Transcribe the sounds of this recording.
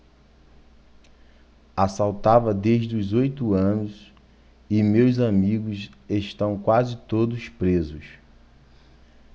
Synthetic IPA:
asawt̪avɐd̪eʒd̪ʊzojt̪uɐ̃nʊs | ɪmewzamiɡʊseʃt̪ɐ̃w̃kwazɪt̪od̪ʊspɾezʊs

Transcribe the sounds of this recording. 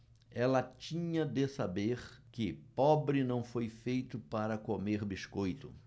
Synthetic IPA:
ɛlɐt͡ʃĩɲɐd̪ɪsabeɾkɪpɔbɾɪnɐ̃w̃fojfejt̪ʊpaɾɐkomeɾbiskojt̪ʊ

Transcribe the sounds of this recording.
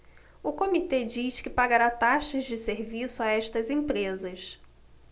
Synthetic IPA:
ʊkomit̪ed͡ʒiskɪpaɡaɾat̪aʃɐzd͡ʒɪseɾvisʊaɛʃt̪ɐzẽpɾezɐs

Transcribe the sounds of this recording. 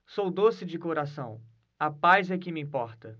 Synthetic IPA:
sowd̪osɪd͡ʒɪkoɾasɐ̃w̃ | ɐpajzɛkɪmɪĩpɔɾt̪ɐ

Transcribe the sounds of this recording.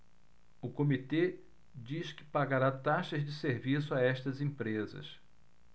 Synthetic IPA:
ʊkomit̪e | d͡ʒiʃkɪ̥paɡaɾat̪aʃɐzd͡ʒɪseɾvisʊaɛʃt̪ɐzẽpɾezɐ̰s

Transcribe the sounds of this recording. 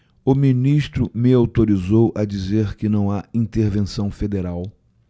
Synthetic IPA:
ʊminiʃt̪ɾʊmɪawt̪oɾizowʔɐd͡ʒizeɾkɪnɐ̃w̃aĩnt̪eɾvẽsɐ̃w̃fed̪eɾaw

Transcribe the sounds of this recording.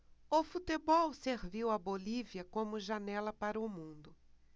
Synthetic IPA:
ʊfut̪ebɔwseɾviwɐboliviɐkõmʊʒanɛlɐpaɾɐʊmũnd̪ʊ

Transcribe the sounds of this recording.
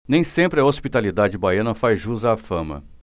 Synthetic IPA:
nẽj̃sẽmpɾɪɐospit̪alid̪ad͡ʒɪbajɐ̃nɐfajʒuzaːfɐ̃mɐ̰

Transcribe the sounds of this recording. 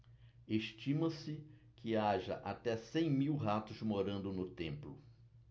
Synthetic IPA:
eʃt͡ʃĩmɐ̃sɪ | kʰɪaʒɐʔat̪ɛsẽj̃miwɦat̪ʊzmoɾɐ̃nd̪ʊnʊt̪ẽmplʊ

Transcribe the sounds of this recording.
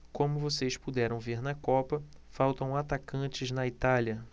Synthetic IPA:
kõmʊvosespud̪ɛɾɐ̃w̃veɾnɐkɔpɐfawt̪ɐ̃w̃at̪akɐ̃t͡ʃɪznɐit̪aliɐ

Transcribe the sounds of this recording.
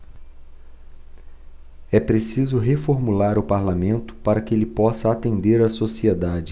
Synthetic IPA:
ɛpɾesizʊɦefoɾmulaɾʊpaɾlamẽnt̪ʊ̥paɾɐkɪelɪpɔsɐat̪ẽnd̪eɾɐsosied̪ad͡ʒɪ

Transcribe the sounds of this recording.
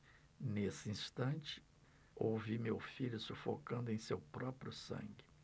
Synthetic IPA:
nesɪĩst̪ɐ̃nt͡ʃɪ̥ | owvimewfiʎʊsufo̰kɐ̃nd̪ʊẽj̃sewpɾɔpɾjʊsɐ̰̃ŋɡɪ

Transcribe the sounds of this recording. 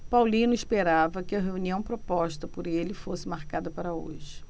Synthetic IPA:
pawlĩnʊiʃpeɾavɐkɪɐɦeuniɐ̃w̃pɾopɔʃt̪ɐpʊɾelɪfosɪmaɾkad̪ɐpaɾɐo̰ʒɪ

